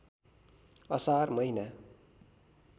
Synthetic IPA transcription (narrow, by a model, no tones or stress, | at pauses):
ʌsarmʌina